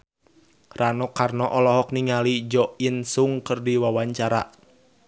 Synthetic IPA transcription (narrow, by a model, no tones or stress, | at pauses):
ranɔkarnɔʔɔlɔɦɔkniŋalid͡ʒɔʔinsuŋkɨrdiwawaɲt͡ʃaɾa̰